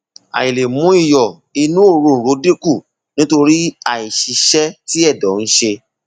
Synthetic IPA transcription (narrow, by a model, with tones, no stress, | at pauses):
a̰˨i˨le˨mũ˨˦i˦˨jɔ˨ | i˧nũ˦o˦˨ɾo˧˨n̩˨ɾo˨˦di˦ku˦˨ | nĩ˦to˧ɾi˦a˨i˨ʃi˨˧ʃɛ˦ti˦ɛ˦˨dɔ˨˦n̩˦ʃe˧